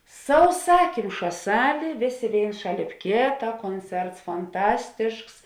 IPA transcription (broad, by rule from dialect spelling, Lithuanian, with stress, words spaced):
sɐʊˈsɑːkʲɪmʃɐ ˈsɑːlʲeː ˈʋʲeːˌsʲeː ˈʋʲeːɪns ˈʃɑːˌlʲeːp ˈkʲeːtɐ ˈkoːnʲˌt͡sʲɛrts fɐnˈtɑːsʲtʲɪʃks